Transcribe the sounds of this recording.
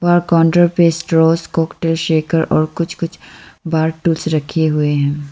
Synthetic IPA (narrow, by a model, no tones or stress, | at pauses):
ʋaːɾkɔ̃ːɳɖɾəɾpeːsʈɾoːskɔːkʈeːlʃeːkəɾɔːɾkʊt͡ʃʰkʊt͡ʃʰbaːɾʈuːlsɾɐkʰeɦʊeɦɛ̃ː